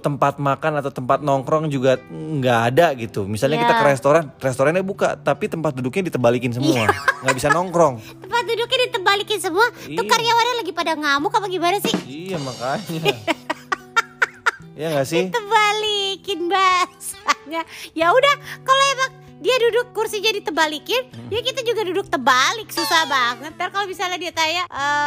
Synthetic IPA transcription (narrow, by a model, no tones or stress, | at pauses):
t̪əmpat̪̚makanat̪awt̪əmpat̪̚nɔŋkɾɔŋd͡ʒuɡaŋɡaʔːdaɡit̪umisalɲakit̪akəɾest̪oɾanrest̪oɾanabuka̰t̪apit̪əmpat̪̚dudʊk̚ɲadit̪əmbalikɪnsəmuaŋɡaʔbisanɔŋkɾɔŋt̪əmpat̪̚dudʊk̚ɲadit̪əmbalikɪnsəmuat̪ukaɾijawadalaɡipadaŋamukapaɡibanasɪhijamakaɲa | ijaŋɡaʔsɪt̪əbalikɪnbas | aɲajaudahkalojamak̚ | diadudʊkːursiɲadit̪əbalikɪnjakit̪ad͡ʒuɡadudʊk̚t̪əbalɪksusahbaŋət̪̚daɾkalobisalɲadiat̪ajaʔə